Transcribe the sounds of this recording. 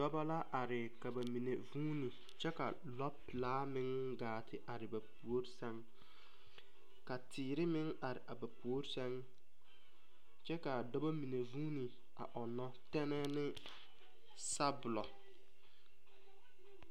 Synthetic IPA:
dɔ˦ba˦la˦ʔa˨ɾɪ˨ka˨ba˨mi˨ne˨vuː˦ni˨ | t͡ʃɛ˦ka˨ | lɔ˦pɪ˨laː˦mɪ˦ŋɡaː˨tʰɪ˦ʔa˨ɾɪ˨ba˨pu˨o˦ɾsɛ˦ŋ | ka˨tʰɪː˨ɾɪ˦mɪ˦ŋa˨ɾɪ̰˨ʔa˨ba˨pu˨o˦ɾsɛ˦ŋ | t͡ʃɛ˦ka˨dɔ˦ba˦mi˨ne˨vuː˦ni˨ | a̰˨ʔɔ˨nɔ˦tɛ˦nɛ˦nɪ˦ | sa˦bʊ˨lɔ˨

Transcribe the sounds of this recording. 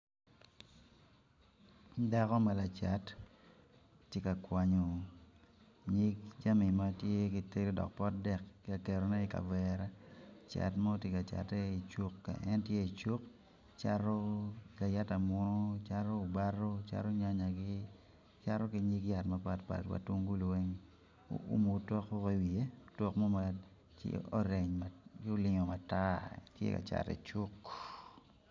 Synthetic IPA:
da˦kɔ˦mɛ˨la˨t͡ʃa˨˦t | je˦ka˨kwa˨ɲo˨ | ɲi˦k̚d͡ʒa˦mi˨ma˦tje˦ki˦te˦ɾi˦dɔ̰˨k̚pɔ˦t̚dɛ˦˨kːka˨ke˨ɾo˨nɛ˦i˨ka̰˨vɛɾa˦t͡ʃa̰˨tma˦tje˦ka˨t͡ʃa̰˨tɛ˦i˨t͡ʃo˦kːa̰˨ɛ˦ntje˦i˨t͡ʃu˦k | t͡ʃa˦ɾɔ˦ka˨ja˦ta˨mʊ˦no˦t͡ʃa˦ɾoː˦˨ba˦ro˦t͡ʃa̰˦ɾo˦ɲa˦ɲa˨ɡɪ˦ | t͡ʃa˦ɾo˦kɪ˨˦ɲi˦kja˨tma˨pa˨t̚pa̰˨twa̰˨to˦ŋɡu˦lwe˦ŋ̰ | ṵ˦mo˨tɔ˦ko˦ki˦wi˨e˦tɔ˦kmɔ˦ma̰˨ | o˦ɾe˨ɲmaɡɪ˦o˦lɪ˨ŋɔ˨ma˨ta˦tjḛ˦ka̰˨t͡ʃa̰˨tɛ̰˨t͡ʃu˦k

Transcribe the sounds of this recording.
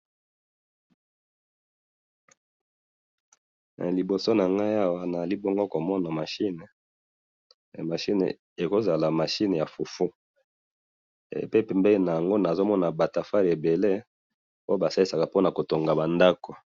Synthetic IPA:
li˨bo˨so˦na˨ŋɡa˦i˦a˦wa˦na˨a˨li˦bo˦ŋɡo˦ko˨mɔ˦na˨ma˨ʃi˦ne˨ | ma˨ʃi˦nḛ˨ | e˨ko˦za˨la˨ma˨ʃi˦ne˨ja˨fu˨fu˦˨ | pe˦pɛ˨mbɛ˦li˦na˨ja˨ŋɡo˦na˨zo˦mɔ˦na˨ba˨ta˨fa˦ʁe˨be˨le˦ | o˦o˦ba˨sa˦li˦sa˨ka˨po˦na˨ko˨to˨ŋɡa˨ba˨nda˦ko˨

